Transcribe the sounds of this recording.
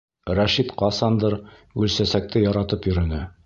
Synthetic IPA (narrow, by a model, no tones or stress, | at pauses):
ɾæʃit̪qɑsɑnd̪ɤɾʉlsæsæk̚t̪ɘjɒɾɑt̪ɤpjɵ̆ɾɵ̆nɘ